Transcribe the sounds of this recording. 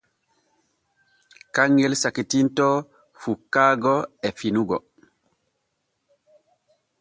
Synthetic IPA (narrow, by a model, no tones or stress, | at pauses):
kaŋːɛlsakitintɔ | fukːaːɡɔɛfinuɡɔ̰